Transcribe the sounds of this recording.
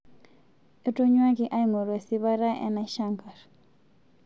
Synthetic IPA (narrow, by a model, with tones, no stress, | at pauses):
e˦to˦ɲwa˦ki˦˨ʔa˦i˨ŋo˨ɾwe˨si˦βa˦ɾa˦ʔɛ̰˦na˦ʃa˦ŋɡa˨r